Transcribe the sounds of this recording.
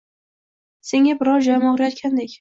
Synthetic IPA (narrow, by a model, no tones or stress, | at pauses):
se̞ŋʲabɪɾɒɾd͡ʒɒjmɒʁɾajɒt̪kʲʰand̪ekʲ